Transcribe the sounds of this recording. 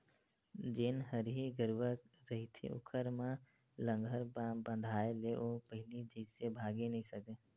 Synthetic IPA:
d͡ʒenɦəɾɦiɡəɾʋək | ɾəɦit̪ʰḭʔʊ̰kʰəɾmẽ | lə̃ŋɡʱəɾbə̃nd̪ʱaːeleʔoːpəɦɪlid͡ʒəːsebʱaːɡenɐɦĩsəke

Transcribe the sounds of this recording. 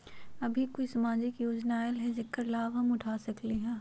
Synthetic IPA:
ɐbʱikoːisɐmaːd͡ʒɪkjoːd͡ʒnaelɦɛ̃zɪkːəɾlaːʋɦɐmʊʈʰaːsɐkliɦɛ̃ː

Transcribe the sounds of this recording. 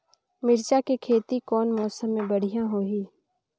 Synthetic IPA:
mɪɾt͡ʃakikʰeːt̪ikɔːnmɔːsəmːẽbəɽ̤ijãɦoːɦiː

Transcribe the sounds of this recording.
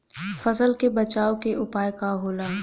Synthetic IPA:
fɐzəlkebɐt͡ʃaːokeʔʊpaːjkaɦoːlaː

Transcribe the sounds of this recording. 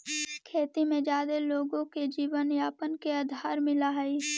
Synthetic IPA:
kʰeːt̪imẽd͡ʒaːd̪eloːɡõked͡ʒiːʋənjaːpənkeɐd̪ʱaːɾmɪlaɦɛi

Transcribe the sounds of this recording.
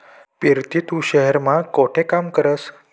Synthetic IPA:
piɾt̪it̪uɕəɦeɾmakoʈʰekamkəɾəs

